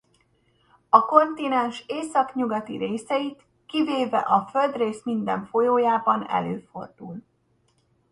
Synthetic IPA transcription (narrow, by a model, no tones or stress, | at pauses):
ɒko̞nt̪inɛnʃeːsɒkɲuɡɒt̪iɾeːsɛit̪ | kiveːvɛ̰ʔɒfø̞ld̪reːsmind̪ɛɱfo̞joːjaːbɒnɛ̰løːfo̞̰rd̪ul